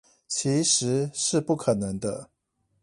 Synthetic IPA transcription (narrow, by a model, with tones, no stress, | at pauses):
t͡ɕʰi˧˥ʂɻ̩˧˥ʂɻ̩˥˧pu˥˩kʰə˨˩nɤ˧˦ŋd̪ə˦